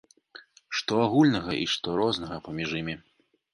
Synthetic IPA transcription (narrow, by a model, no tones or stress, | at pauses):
ʂt̪ɔaɣulʲnɐɣɐʔḭʂt̪ɔɾɔznɐɣɐpɐmʲiʐimʲi